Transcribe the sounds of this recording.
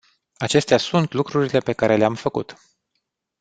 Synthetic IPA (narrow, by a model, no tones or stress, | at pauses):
at͡ʃe̞st̪easunt̪lukɾuɾile̞pe̞kaɾe̞leamfəkṵt̪